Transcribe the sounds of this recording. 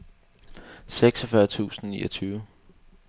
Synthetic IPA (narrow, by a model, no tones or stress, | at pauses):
seɡ̥sɒfɶɐt͡sʰṵːsn̩niːʔɒt͡sʰyːʊə